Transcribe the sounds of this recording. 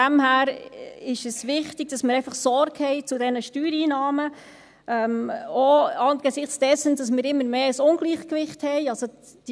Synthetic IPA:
æmhæːɾɪʃəsʋɪχtɪɡ̥̚dɑsmɪːɾɛɪfɑχsɔɾɡhɛɪt͡sudɛnəʃtyːɾiːnɑːmə | ɛmoɑnɡ̥esɪχt͡sd̥ɛsənd̥ɑsmɪːɾɪmːəɾmeːəsʊnɡ̥liːχkʋɪχthɛɪɑlso̥ | i

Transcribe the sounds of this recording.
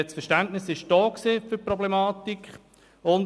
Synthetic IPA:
ɛt͡sfɛʃtæntnɪsɪʃd̥ɔːkseːfyprɔblemɑːtikχ | ʊn

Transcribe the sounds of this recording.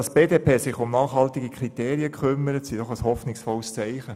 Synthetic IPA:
ɑsb̥eːdeːpeːsɪχʊmnɑːχhɑltiɡikʰʁit̪eːɾiəkʰχʏmːəɾətsid̥ɔχəshɔfnɪksfɔlst͡sæɪχə

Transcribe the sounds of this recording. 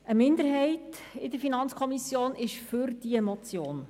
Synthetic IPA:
əmɪndəɾɦɛɪt | ɪdəɾfinɑnt͡skʰɔmisjoːnɪʃfʏɾd̥iɛmɔt͡sjoːn

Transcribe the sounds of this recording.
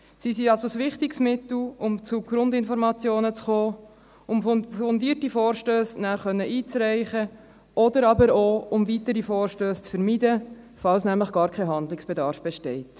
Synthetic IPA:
sisiɑlsosʋɪχtɪksmɪtl̩ʊmt͡suɡ̥ɾʊndɪnfɔɾmɑt͡sjoːnət͡sχoː | ʊmɔndiːəɾtifoːɾʃtøːsnæːɾχœnːəʔiːt͡sɾæɪχə | ɔdəɾɑbəɾoʊmvitəɾifoːɾʃtøːst͡sfəɾmidə | fɑlsnæmləχɡ̥ɑːɾkʰɛɦɑnd̪lɪksb̥ɛdɑːɾfb̥ɛʃtɛɪt

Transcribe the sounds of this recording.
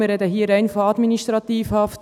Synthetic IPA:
əɾɛdəɦiːɾɛɪnfoɑdminiʃtɾɑt̪iːfhɑft

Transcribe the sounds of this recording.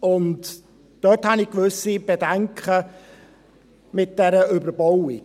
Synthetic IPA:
ʊnt | d̥œthɑnikʋʏsib̥edæŋkχə | mɪt̚d̥ɛɾəʏbəɾbɔwi

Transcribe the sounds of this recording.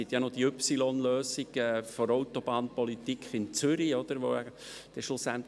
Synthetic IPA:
it̪jɑnod̥̪iʏpsilɔnløːsiɡɛfɔɾɔwt̪ɔb̥ɑːnpɔlit̪ikχɪnt͡sʏɾiɔd̪̥əɾʋo̰ɛ | d̪̥ɛʃosænt

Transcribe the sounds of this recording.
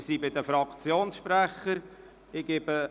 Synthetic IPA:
siːbɪd̪əfɾɑkt͡sjoːnsʃpɾæχəɾ | ɪɡ̥ebə

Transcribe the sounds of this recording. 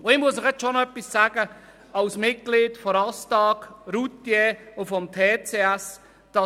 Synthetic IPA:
oɪmuəsɪχɛt͡sʃonoœpːissaːɡ̥ə | ɑʊsmɪt̚ɡ̥liːtfɔɾɑstɑːkɾutːjeʊfɔmtʰeːt͡seæs | d̥ɑ

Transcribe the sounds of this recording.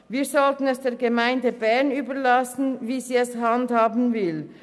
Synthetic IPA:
viːɐzɔltən̩ɛsd̥eːʁɡəmaɪndəbɛɐnyːbɐlɑsn̩viːziːɛshɑndhaːbn̩vɪl

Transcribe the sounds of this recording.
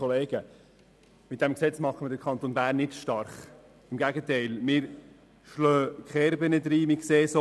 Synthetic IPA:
oleːɡ̥ə | mɪt̚d̥ɛmksɛt͡smɑχəmədəɾkʰɑnt̪onbæːrnːɪtʃtɑɾχ | ɪmɡæɡətɛɪlmɪɾ | ʃlœːkχɛɾbənəd̪ɾiːmɪkseːso

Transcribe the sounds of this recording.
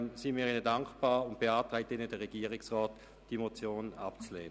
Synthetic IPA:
msimiːɪnədaŋkb̥aːʊnt̚b̥eɑːtʁɛɪtɪnəd̥ɛʁɛɡ̥iːɐʁɪksʁɔːt | d̥imot͡sjoːna̰pt͡sleːnə

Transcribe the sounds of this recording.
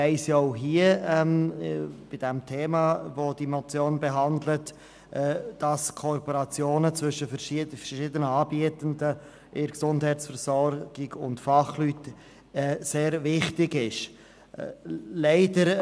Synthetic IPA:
ɛɪsjoʊɦiəɛm | b̥ɪd̥ɛmtʰeːmɑːvoːdimɔt͡sjoːnbeɦɑndlət | ʔɛd̥ɑskʰoɾpoɾɑt͡sjoːnət͡svʏʃəfəɾʃifəʃiːdənəɑːbiətəndə | ʔɪɾksʊndhɛɪtsfəɾsɔɾɡ̥ɪɡʊ̰ntfɑχlyt | ɛːseːɾvɪχtɪɡɪʃ | lɛɪdəɾ

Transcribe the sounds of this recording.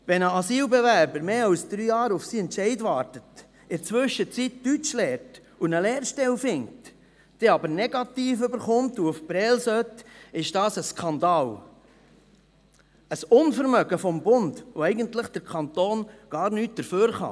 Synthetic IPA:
ʋɛnəɑsiːlbɛvæɾbəɾmeːɑlsd̪̥ɾyːjɑːɾʊfsiːɛntʃɛɪdʋɑːɾtət | ɪɾt͡sʋʏʃət͡sittyt͡ʃlɛːɾt | unəleːɾʃtɛlfɪŋ̚t | d̥ɛɑbəɾnɛɡ̥ɑt̪iːfʏbəɾχʊmtuʊfb̥ɾɛːlsœtɪʃd̥ɑːsəskʰɑnd̪ɑːl | əsʊnfəɾmœɡ̥əfɔmbʊndʋoɛɪɡəntləχd̥əɾkʰɑnt̪oːnɡ̥ɑːɾnyːt̚d̥əɾføːɾχɑ̰

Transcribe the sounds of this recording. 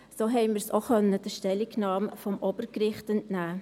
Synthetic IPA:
soːɦɛɪməsoxœnːəd̥əʃtɛlɪknɑːmfɔmʔob̥əɾkɾɪχtəntnæː

